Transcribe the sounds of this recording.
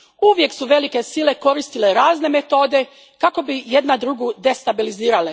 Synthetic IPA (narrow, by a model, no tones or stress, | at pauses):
uʋje̞ksuʋe̞like̞sile̞ko̞ɾist̪ile̞ɾaːzne̞me̞t̪o̞ːd̪e̞ | kako̞bijed̪nad̪ɾuɡud̪e̞st̪abiliziːɾale